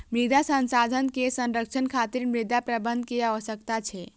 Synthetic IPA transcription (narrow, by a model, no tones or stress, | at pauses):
mid̪ʱasənsad̪ʱənkesə̃nɾək̚t͡ʃʰənkʰat̪iɾmɾid̪apɾəbənd̪̚ʱkeaʋəsək̚t̪at͡ʃʰɛ